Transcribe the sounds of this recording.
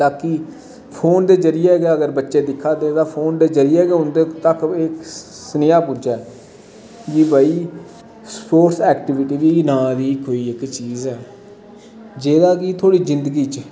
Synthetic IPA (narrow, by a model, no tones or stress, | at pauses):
t̪aːki | pʰoːnd̪eːzəɾɪjaːɡaːəɡəɾbətːʃeːd̪ɪkʰːaːd̪eːt̪ãːpʰoːnd̪eːzəɾɪjeːɡeːʊnd̪et̪əkɪk | sənɪjaːpud͡ʒaː | d͡ʒibaːiː | spoːʈsɛːkʈɪʋɪʈiːʋiːnãːd̪iːkoːiːɪkt͡ʃiːzɛː | d͡ʒeːd̪aːkiːt̪ʰoːɽiːzɪnd̪əɡiːt͡ʃ